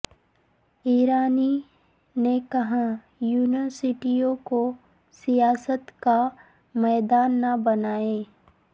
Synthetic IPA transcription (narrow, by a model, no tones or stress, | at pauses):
iːɾaːni | nekɐɦã | juːnəɾsɪʈijõko | sijaːsət̪ka | mɛːd̪aːnːabɐnaːeː